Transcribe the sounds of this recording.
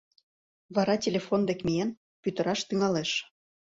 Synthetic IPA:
βɑɾɑtʲelʲefond̪ekmʲien | pyt̪ə̆ɾɑʃt̪yŋɑleʃ

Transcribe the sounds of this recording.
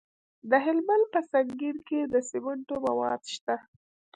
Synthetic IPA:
d̪əɦɪlmanpəsaŋɡiɾked̪əsɪmʊɳʈomawɑ̰d̪ʃt̪a

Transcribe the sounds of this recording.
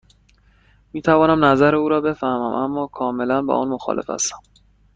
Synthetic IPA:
miːt̪ʰævɒːnæmnæzæɾeuːɾɒːbe̞fæhmæmʔæmːɒːkʰɒːme̞lænbɒ̰ːʔɒ̰ːnmoxɒ̰ːlʔefæ̰st̪æ̥m

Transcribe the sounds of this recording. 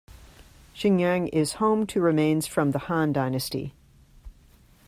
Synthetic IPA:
ʃɪ̃ŋjæ̃ŋɪz̥hõʊ̃mtʰɨɹɨmẽɪ̃nz̥fɹʌ̃mðəhɑ̃ndãɪ̃nɨstḭ

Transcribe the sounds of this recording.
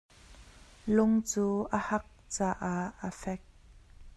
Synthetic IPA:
lʊŋt͡suːʔəhɐk̚t͡saːʔaəfɛk̚

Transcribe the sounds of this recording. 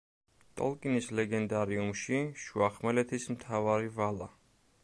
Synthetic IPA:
t̪ʼɔ̰lˠkʼinislɛɡɛnd̪aɾiumʃiʃuaχmɛlɛt̪ʰismt̪ʰavaɾivala

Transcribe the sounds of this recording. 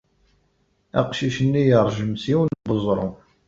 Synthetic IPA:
æ̰qʃiʃənːijəɾˤʒəmsiwnbəzˤɾˤo̰

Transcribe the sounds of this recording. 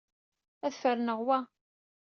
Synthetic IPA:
æθfəɾnəʁwæ

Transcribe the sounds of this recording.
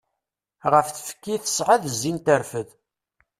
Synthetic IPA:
ʁəfθfə̥kːiθə̥sʕaðəzːint̪əɾfəð

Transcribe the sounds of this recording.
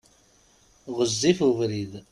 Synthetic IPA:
ʁəzːifuvɾið

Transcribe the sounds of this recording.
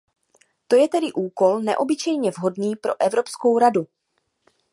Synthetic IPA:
t̪o̞jɛt̪ɛdɪʔuːko̞lnɛʔo̞bɪt͡ʃɛjɲɛvɦo̞dniːpɾo̞̰ʔɛvɾo̞psko̞wɾadu

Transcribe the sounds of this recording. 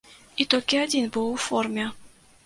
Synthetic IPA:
it̪olʲkʲɪadʲinbɨwˠformʲɛ

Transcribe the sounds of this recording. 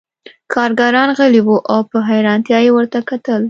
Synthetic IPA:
kʰɑɾɡaɾɑnɣəliwuʔawpəɦajɾɑnt̪jɑjewəɾt̪akat̪əl

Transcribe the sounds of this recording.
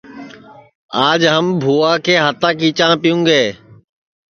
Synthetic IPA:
aːd͡ʒɦəmbʱuːaːkʰeːɦət̪ãːkiːt͡ʃãːpɪjũːɡeː

